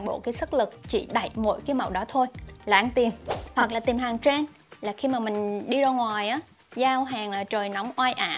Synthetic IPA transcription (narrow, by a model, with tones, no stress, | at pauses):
ŋɓo̰˧˨kaː˨˦jsə˦˥t̚lɨ˨˩k̚t͡ɕḭ˧˩ɗa˧˨jmo̰˧˥jkaː˨˦jma˨˩wɗɔ˨˦t̪ʰo˧jla̰ː˧˩ŋt̪i˨˩əmhwa˨˩k̚laː˨˩t̪i˨˩mɦaː˨˩ŋt͡ɕaː˧ŋ | laː˨˩xi˧maː˨˩mï˨˩ŋ̟ɗi˧zɔː˧ŋwaː˨˩jʔaː˨˦ | zaː˧wɦaː˨˩ŋlaː˨˩t͡ɕəː˨˩jna˨˦wŋ͡mʔwaː˧jʔaː˧˩˨